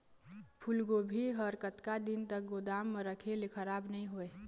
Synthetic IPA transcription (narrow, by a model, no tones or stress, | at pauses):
pʰulɡobʱiɦəɾkət̪kad̪int̪ək̚ɡod̪aːmːə̃ɾəkʰelekʰəɾaːbnəɦĩɦoeː